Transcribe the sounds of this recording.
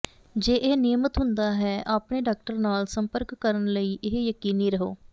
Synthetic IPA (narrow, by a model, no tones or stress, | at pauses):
d͡ʒeːʔeːneːmət̪ɦʊnd̪aːɦɛːʔaːpɳeːɖaːk̚ʈəɾnaːlsəmpəɾkːəɾənləiːʔɪɦjəkiːniːɾəɦoː